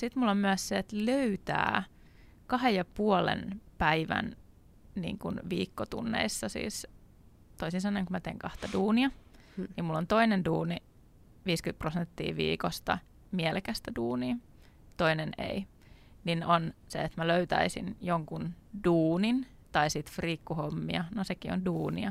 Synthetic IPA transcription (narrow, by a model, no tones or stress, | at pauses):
sit̪mulːommyæsseet̪løyt̪æ̰ː | kɑhejjɑpuolḛnpæiʋæ̰n | nḭːŋkunʋiːkːot̪ṵnːḛisːɑsḭːs | t̪oisinsɑnːoiŋkumæt̪eːŋkɑht̪ɑduːniɑ | nimmulːont̪oinenduːni | ʋiːskyt̪̚prosent̪ːḭːʋḭːkost̪ɑ̰ | mielekæst̪æduːniː | t̪oinenḛi | ninonseet̪mæløyt̪æ̰isḭnjoŋkund̥uːnin | t̪ɑisit̪friːkːuhomːiɑnosekionduːniɑ